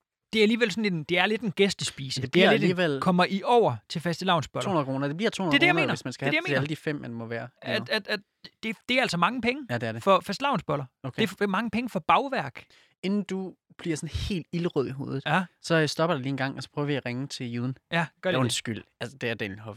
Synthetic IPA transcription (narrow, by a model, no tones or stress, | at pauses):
d̥e̝æɐæliːʋel̰sɒ̽n̩e̝dd̥e̝æɐle̝d̥e̝nɡ̥esd̥əsb̥ḭːsə̥ed̥eæɐle̝deiʋel̰kʰɒ̽m̰ɐʔiʔɒʊ̰ɐt͡sʰe̝fæsd̥ilɑ̈ʊ̰nsb̥ɒloo̰hunɐkʁoːnɐd̥ebliɐ̰t͡sʰo̰huneɐd̥ejanmḛnɐesmænsɡ̥æhæ̥ejameæləd̥ifem̰ːænmɒ̽ʋæːɐæ̥æ̥ | d̥e̝d̥e̝ææl̰sɒ̽mɑ̈ŋəpʰeŋəjd̥eæɐdefɒ̽fæsd̥lɑ̈ʊnsb̥ɒ̽lɐokʰe̝mɑ̈ŋəpʰeŋəfɒ̽b̥ɑ̈ʊʋæɐ̰ɡ̥ | e̝nn̩d̥u | b̥liɐsɒ̽nhe̝̰ːld̥iləʁœð̰ˠiɦo̝̰ːð̞ˠð̩ˠæsɒ̽sd̥ɒ̽b̥ɐd̥eliːenɡ̥ɑ̈ŋ̰ɒsɒ̥pʰʁœːʊɐʋiæʁeŋət͡sʰe̝juðˠn̩jæɡ̥ɶɐensɡ̥yl̰ælsəd̥e̝æɐd̥enhɒf